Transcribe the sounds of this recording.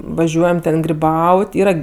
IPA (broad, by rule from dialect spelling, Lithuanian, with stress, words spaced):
ʋɐˈʒʲuɔjɛm ˈtʲɛn ɡrʲɪˈbɐʊtʲ ˈiːrɐ